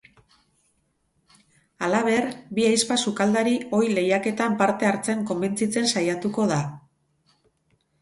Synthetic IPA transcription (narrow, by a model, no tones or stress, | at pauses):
alaβ̞e̞rbiajspasukald̪aɾio̞jle̞jake̞t̪ampaɾt̪e̞aɾt͡se̞ŋko̞mbe̞nt͡sit͡se̞nsajat̪uko̞ða